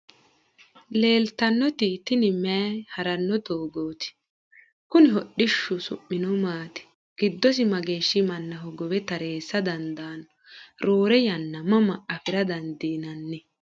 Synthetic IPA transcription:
le̞ːlt̪ɐnːɔt̪ɪt̪ɪnɪmɛhɐɾɐnːɔd̪oːɡoːt̪ɪ̥ | kʊnɪɦɔɗɪʃːʊsʊ̰ʔːɪnɔmaːt̪ɪ̥ | ɡ̥ɪd̪ːɔs̬ɪmɐɡe̞ːʃːɪmɐnːɐɦɔɡɔbɛt̪ɐɾe̞ːsːɐd̪ɐnd̪ɐːn | ɾoːɾɛjɐnːɐmɐmɐɐfɪɾɐd̪ɐnd̪iːnɐnːɛ

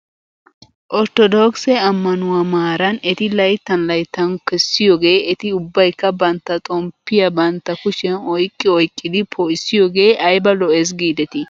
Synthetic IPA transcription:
ʔɔɾt̪ɔd̪oksɛɐmːɐnʊwɐmaːɾɐnɛt̪ɪlɐjt̪ːɐnlɐjt̪ːɐnkɛsːɪjoːɡe̞ːɛt̪ɪʊbːɐjkːɐbɐnt̪ːɐt̪ʼɔmpːɪjɐbɐnt̪ːɐkʊʃɛnɔjkʼːɪɔjkʼːɪd̪ɪpʰɔʔɪsːɪjoːɡe̞ːʔɐjbɐlɔɛs̬ɡiːd̪ɛt̪ɪ

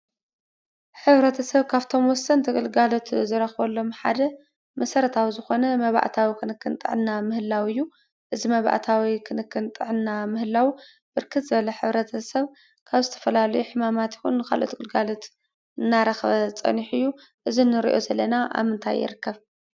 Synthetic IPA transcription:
ħɨβɾɐt̪ʰɐsɐβkʰaβt̪ʰo̞mwɔsɐnt̪ʰɨkʼɨlɡalo̞t̪zɨɾɐxβɔlːo̞mħa̰d̪ɐ | mɐsɐɾɐt̪ʰawizɨxo̞nɐmɐβa̰ʔt̪ʰawikʰɨnɨkːɨnt̪ʼɨ̰ʕɨnːamɨhɨlːawɨjːu | ʔɨzimɐβa̰ʔt̪ʰawikʰɨnɨkʰːɨnt̪ʼɨʕɨnːamɨhɨlːaw | bɨɾkʰɨt̪zɨβɐlɐħɨβɾɐt̪ʰɐsɐβ | kʰaβzɨt̪ʰɐ̥fɐlalɐjuħɨmamat̪jɪ̥xunkʰa̰lʔot̪ʰɨkʼɨlɡalo̞t̪ | ɨnːaɾɐxβɐt͡sʼɐ̰niħɨjːu | ʔɨzinːɨɾḭʔo̞zɐlːɐnaʔa̰βmɨnt̪ʰa̰jːɪ̰ɾɨkʰːɐβ

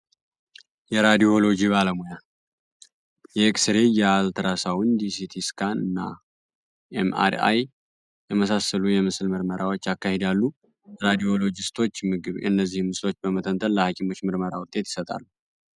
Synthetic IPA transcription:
jɛɾad̪io̞lo̞d͡ʒiβaləmoja | jɛksɾejɛalt̪ʰɾasawnd̪isit̪ʰiskʰanɨnːa̰ | ʔḛma̰ɾa̰j | jɛməsasəlujɛmɨsɨlmɨɾməɾawo̞t͡ʃːakːahe̞d̪alːu | ɾad̪io̞lo̞d͡ʒɪst̪ʰo̞t͡ʃːmɨɡɨβɨnːəzːihmːɨslo̞t͡ʃːbəmət̪ʰənt̪ʰənləhakʰimo̞t͡ʃːmɨɾməɾawʊt̪ʼːe̞t̪jɪ̥sət̪ʼa̰lːu

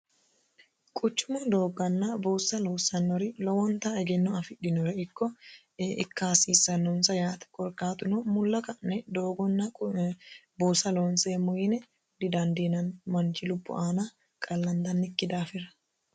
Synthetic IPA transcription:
kʼʊt͡ʃːʊmɐd̪oːɡːɐnːɐbuːsːɐlɔːsːɐnːɔɾɪlɔwɔnt̪ɐɛɡɛnːɔɐfɪɗɪnɔɾɛɪkːɔ | ʔɪ̰kːaːsiːsːɐnːɔnsɐjaːt̪ɛ̥kʼɔɾkʼaːt̪ʊnɔmʊlːɐkɐnːɛd̪oːɡɔnːɐ | buːsːɐloːnseːmʊjɪnɛ | d̪ɪd̪ɐnd̪inɐnmɐnt͡ʃɪlʊbːʊ̰ʔaːnɐ | kʼɐlːɐnd̪ɐnːɪkːɪd̪aːfɪɾɐ̥

